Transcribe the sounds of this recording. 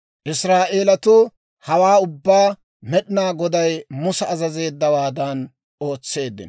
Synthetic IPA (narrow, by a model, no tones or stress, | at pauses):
ʔɪsɾaːʔe̞ːlɐt̪ʊ | hɐwaːʊbːaː | mɛɗɪnaːɡɔd̪ɐjmʊsɐːzɐze̞ːd̪ːɐwaːd̪ɐn | o̞ːt͡sːe̞ːd̪ːɪ̰n